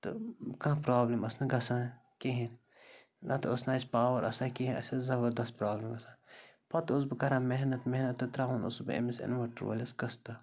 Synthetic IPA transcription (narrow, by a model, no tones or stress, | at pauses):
t̪ɨkãːpɾaːblimɐsnɐɡɐsãː | keɦĩn | nʔɐt̪ɨɐsnaːsʲpaːwɐɾʔɐ̰saːkiɦĩnɐ̰sʲɐzɐbɐɾd̪ɐst̪̚pɾaːblimɐsãː | pɐt̪us̬bɨkɐɾãːmeɦnɐt̪meɦnɐt̪ːɨt̪ɾaːɦunṵsbɨɐ̰misɐ̰nʋɐʈɾʋɐ̰lʲɐskɐst̪ɐ